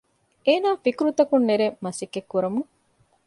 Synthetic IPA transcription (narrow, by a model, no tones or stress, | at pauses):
eːnaːfikɾut̪ɐkunːeɾemɐsikːekːuɾɐmu